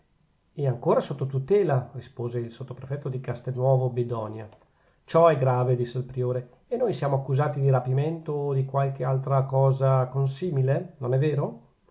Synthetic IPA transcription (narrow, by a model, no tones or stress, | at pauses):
ɛaŋkoːɾasot̪ːot̪ut̪ɛːlarispoːzeilsot̪ːopɾefɛt̪ːod̪ikast̪enːwɔːvobed̪ɔːnja | t͡ʃɔɛɡɾaːved̪isːelpɾioːɾe | enojsjaːmoakːuzaːt̪id̪iɾapiment̪od̪ikwalk̟ealt̪ɾakɔːzakonsiːmilenonɛvːeːɾo